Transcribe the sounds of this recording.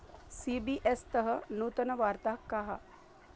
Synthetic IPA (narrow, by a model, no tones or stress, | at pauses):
siːbiʔest̪əɦənuːt̪ənɐʋaːɾt̪akːaɦa̰